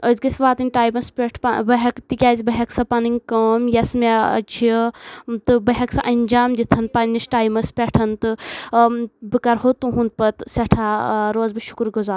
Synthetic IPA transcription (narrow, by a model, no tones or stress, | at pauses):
əzɡɐsʋaːt̪ɨnʲʈaːjmɐspʲeʈʰpɐbɐɦɐkt̪ikʲaːzʲibɐɦɐksɐpɐnɨŋʲkɐːmjɐsmḛt͡ʃʰit̪ɨbɐɦʲɐksɐʔɐnʲd͡ʒaːmd̪ʲit̪ʰɐnpɐnisʈaːjmɐspʲeʈʰɐnt̪ɨ | bɨkɐɾɦot̪uɦund̪̚pɐt̪sɐʈʰaːɾoːzbɨʃu̥kɾɡuzaːɾ